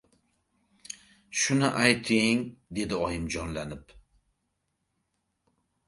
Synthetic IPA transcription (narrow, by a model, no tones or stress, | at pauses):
ʃʊnɪʔajt̪ʰɪŋd̪e̞d̪ɪɒjɪmd͡ʒɒnlanɪp